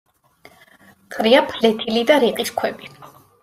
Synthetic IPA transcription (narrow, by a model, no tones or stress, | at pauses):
qʼɾiapʰlɛt̪ʰilid̪aɾiqʼiskʰwɛbi